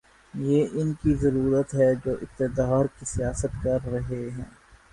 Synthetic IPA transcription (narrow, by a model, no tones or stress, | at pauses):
jeːʔɪnkizɐɾuːɾət̪ɦɛd͡ʒoːʔɪk̚t̪ɪd̪aːɾkisijaːsət̪kɐɾːɐɦeɦɛ̰̃ː